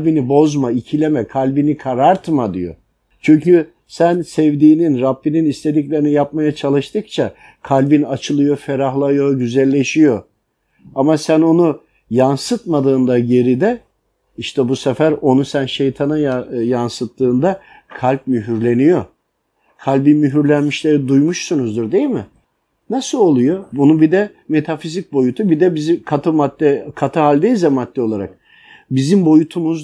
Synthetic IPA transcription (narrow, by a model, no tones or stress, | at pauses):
lʲbinibo̞zmaicʰilʲemɛkʰalʲbinikʰaɾaɾt̪ʰmad̪ḭjo̰ | t͡ʃʰyɲcy | sænsɛvd̪iːninɾabːininist̪ʰe̞d̪iclʲe̞ɾinijap̚majat͡ʃʰalˠɯʃt̪ʰɯk̚t͡ʃʰa | kʰalʲbinat͡ʃʰɯlˠɯjo̞feɾaɦlˠajo̞ɟyzælʲːe̞ʃijo̞ | amasæno̞nu | jansɯt̪mad̪ɯːnd̪aɟe̞ɾid̪ɛ | iʃt̪ʰɛbusefæɾo̞nusænʃe̞jt̪ʰanajansɯt̪ːɯːnd̪a | kʰalʲp̚myɦyɾlʲe̞nijo | kʰalʲbimyɦyɾlʲænmiʃlʲeɾid̪ujmuʃsunuzd̪uɾd̪e̞jilʲmɪ | nasɯlˠo̞lˠujo̞bunubid̪ɛ | me̞t̪ʰafizic̚bo̞jut̪ʰubid̪ɛbizikʰat̪ɯmat̪ːɛkʰat̪ʰɯɦalʲd̪ejizɛmat̪ːɛo̞lˠaɾak̚ | bizimbo̞jut̪ʰumuz